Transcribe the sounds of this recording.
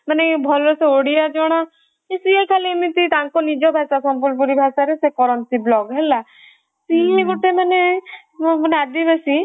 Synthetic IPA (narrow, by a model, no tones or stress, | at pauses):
manebʱɔlɾoseoɽiad͡ʒɔɽ̃a | isiekʰalimit̪it̪aŋkɔnid͡ʒɔbʱasasɔmpuɾp̬uɾibʱasaɾesekɔɾɔnsiblɔɡɦela | siɦeɡuʈemane | mɔnead̪ibesi